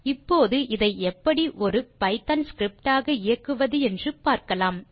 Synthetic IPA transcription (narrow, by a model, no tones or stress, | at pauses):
ɪpːoːðɯʔɪðɐɪɛpːɐɽiʔɔɾɯpɐɪt̪ɐnskɾɪp̚ʈaːɣɐɪjɐkːɯʋɐðɯɛndrɯpaːɾkɐlaːm